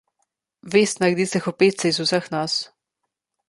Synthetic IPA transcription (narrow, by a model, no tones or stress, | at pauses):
ʋeːst̪naɡd̪iːsɛxɔpeːt̪sɛizusəxnas